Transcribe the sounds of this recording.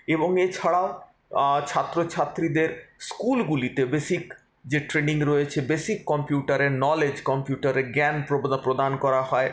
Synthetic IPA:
eboŋet͡ɕʰaɽao | t͡ɕʰat̪ːɾot͡ɕʰat̪ːɾid̪eɾskulɡulit̪ebesik | d͡ʑeʈɾeniŋɾoet͡ɕʰebesikːɔmpjuʈaɾeɾnɔled͡ʑkɔmpjuʈaɾeɡɛnpɾopɾod̪ankɔɾaɦɔe

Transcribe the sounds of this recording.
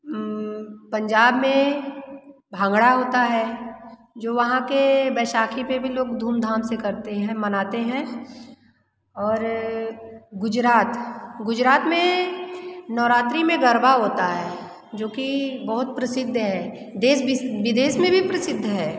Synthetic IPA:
pɐ̃ɲd͡ʒaːbmẽ | bʱãːŋɡɽaɦoːt̪aɦɛː | d͡ʒoːʋɐɦãkebɛːʃaːkʰipebʱiloːɡd̪ʱuːmd̪ʱaːmsekɐɾt̪eɦɛ̃mɐnaːt̪eɦɛ̃ | ɔːɾ | ɡʊd͡ʒɾaːt̪ɡʊd͡ʒɾaːt̪mẽ | nɔːɾaːt̪ɾimẽɡɐɾbaɦoːt̪aɦɛː | d͡ʒoːkibɐɦʊt̪̚pɾɐsɪd̪ʱːɦɛː | d̪eːsɪʋɪd̪eːsmẽbʱipɾɐsɪd̪ʱːɦɛː

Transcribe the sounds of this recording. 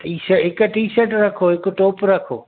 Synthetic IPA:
ʈiːsəɦɪkʊʈiːsəʈɾɐkʰoɦɪkʈoːpɾɐkʰoː

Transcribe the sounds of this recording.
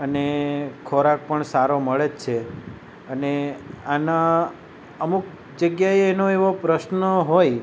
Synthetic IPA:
ənekʰoɾak̚pəɳsaɾoməɭet͡ʃʰe | əneana | əmuk | d͡ʒəɡjaeːnoeʋopɾəʃnəɦoj

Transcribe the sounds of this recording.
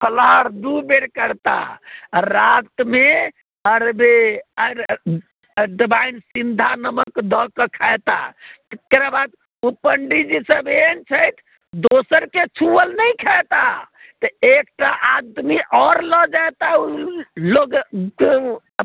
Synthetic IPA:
pʰəlaɾd̪ubeɽkəɾt̪a̰ɾakt̪me | əɾbe | ɖibajnsind̪ʱanəməkd̪ʱɔkːəkʰajt̪a̰t̪kɾabad̪ | upəɳɖid͡ʒisəbent͡ʃʰəjt̪ʰ | d̪osəɾket͡ʃʰuəlnəjkʰat̪a | t̪əek̚ʈaʔad̪miʔɔɾlɔd͡ʒajt̪auloɡ

